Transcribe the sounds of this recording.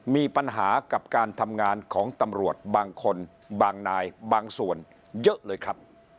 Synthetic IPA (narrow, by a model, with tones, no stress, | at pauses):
miː˧pa˧nɦaː˩˦ka˨˩p̚kaː˧nt̪ʰa˧mŋaː˧nkʰɔː˩˦ŋt̪a˧mɾu˨˩ət̪̚baː˧ŋkʰo˧n | baː˧ŋnaː˧jbaː˧ŋsu˨˩ən | jɤ˦˥ʔlɤː˧jkʰɾa˦˥p̚